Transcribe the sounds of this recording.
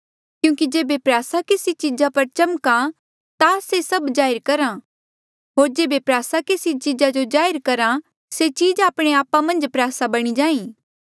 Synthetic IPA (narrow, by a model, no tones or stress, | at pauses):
kjũːkid͡ʒeːbepɾaːsakɪsit͡ʃiːd͡ʒapɐɾt͡ʃɐmka | t̪asesɐbd͡ʒaːɪɾkɐɾã | ɦoːɾd͡ʒeːbepɾaːsakɪsit͡ʃiːd͡ʒad͡ʒod͡ʒaːɪɾkɐɾã | set͡ʃiːd͡ʒaːpɽ̃eaːpamɐ̃nd͡ʒpɾjaːsabɐɽ̃id͡ʒãːĩː